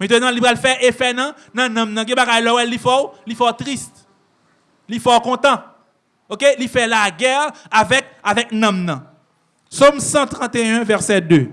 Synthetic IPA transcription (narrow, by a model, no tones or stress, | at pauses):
mɛ̃t̪ənɐ̃lipʁalfɛefɛnɐ̃ | nɐ̃nɐ̃mnɐ̃ɡɛ̃baɡajlɔwɛlifɔʁlifɔt̪ʁist̪ | lifɔkɔ̃t̪ã | okelifɛlaɡɛʁavɛk̚avɛk̚nɐ̃mnɐ̃ | psomsãt̪ʁɑ̃t̪eɛ̃vɛʁsɛd̪ø